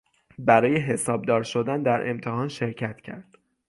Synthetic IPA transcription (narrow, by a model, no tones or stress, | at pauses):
bæɾɒːje̞ɦe̞sɒːb̚d̪ɒːɾʃo̞d̪ænd̪æɾʔe̞̰mt̪ʰehɒːnʃe̞ɾcʰæt̪cʰæ̰ɾd̪̥